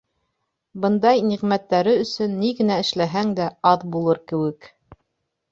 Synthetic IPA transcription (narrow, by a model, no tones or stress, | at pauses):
bɤ̆nd̪ɑjniʁmæt̪ːæɾɘɵ̆sɵnːiɡɘ̆næɘ̆ʃlæɦæŋd̪æɑðbulˠɤɾkɘ̆wɘk